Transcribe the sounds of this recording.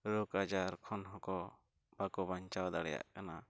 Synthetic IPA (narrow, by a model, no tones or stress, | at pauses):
ɾukad͡ʒaɾkʰɔnɦɔkɔ | b̥akɔbaɲt͡ʃawd̪aɽɛja̰ʔkana